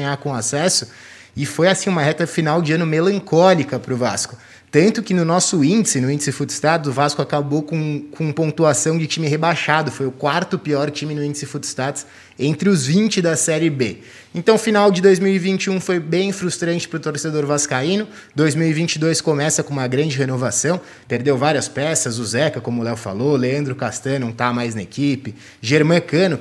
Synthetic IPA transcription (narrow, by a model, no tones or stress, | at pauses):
ɲakõasɛsʊ | ɪfojasĩũmɐɦɛt̪ɐfinawd͡ʒɪɐ̃nʊmelɐ̃ŋkɔlikɐpɾʊva̰skʊ̥ | t̪ɐ̃nt̪ʊkɪnʊnɔsʊĩd͡ʒɪsɪnʊĩd͡ʒɪsɪfut̪st̪at̪zʊvaskʊakabokõkʰõpõt̪uasɐ̃w̃d͡ʒɪt͡ʃimɪɦebaʃad̪ʊfojʊkwaɾt̪ʊpiɔɾt͡ʃimɪnʊĩnd͡ʒɪsɪfut̪st̪at̪s | ẽnt̪ɾɪʊzvĩnt͡ʃɪd̪ɐsɛɾɪbe | ẽnt̪ɐ̃w̃finawd͡ʒɪd̪ojzmiwivĩnt͡ʃɪũfojbẽj̃fɾust̪ɾɐ̃nt͡ʃɪ̥pɾʊt̪oɾsed̪oɾvaskaĩnʊ | d̪ojzmiwivĩnt͡ʃɪd̪ojskomɛsɐkõũmɐɡɾɐ̃d͡ʒɪɦenovasɐ̃w̃ | peɾd̪ewvaɾiɐspɛsɐzʊzɛkɐkõmʊlɛwfa̰loleɐ̃nd̪ɾʊkast̪ɐ̃nɐ̃w̃t̪aɐmajznɐekipɪ | ʒeɾmɐ̃kɐ̃nʊ